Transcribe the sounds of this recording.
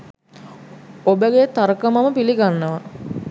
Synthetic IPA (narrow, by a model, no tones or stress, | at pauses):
obəɡet̪aɾəkəmaməpiliɡanːəʋə